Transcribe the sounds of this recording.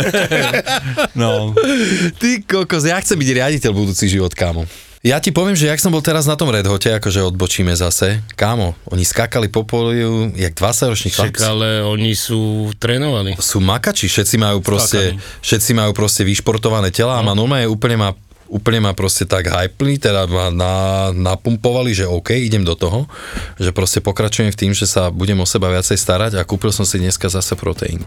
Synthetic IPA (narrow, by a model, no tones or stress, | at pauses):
nɔ | t̪ikɔkɔzjaxt͡sɛmbiɟɾɪaɟicɛlbud̪uːt͡siɣʒiʋɔt̪kaːmɔ | jacipɔʋɪɛmʒɛjaksɔmbɔlt̪ɛɾaznat̪ɔmɾɛd̪ɦɔcɛakɔʒɛɔd̪̚bɔt͡ʃiːmɛzasɛkaːmɔʔɔɲiskakalipɔpɔliujaɡ̚d̪ʋat͡saɟɾɔt͡ʃɲixaalɛɔɲisuːt̪ɾɛːnɔʋalisuːmakat͡ʃifʃɛt̪t͡simajuːpɾɔscɛfʃɛt̪t͡simajuːpɾɔscɛʋiʃpɔɾt̪ɔʋanɛːcɛlaːmanumɛjɛuːpl̩ɲɛma | uːpl̩ɲɛmapɾɔscɛt̪aɡɦajplit̪ɛd̪amananapumpɔʋaliʒɛɔʊkɛjiɟɛmd̪ɔt̪ɔɦɔʒɛpɾɔscɛpɔkɾat͡ʃujɛmft̪iːmʒɛsabuɟɛmɔsɛbaʋɪat͡sɛjst̪aɾaɟakuːpilsɔmsid̪ɲɛskazasɛpɾɔt̪ɛ̰jḭnu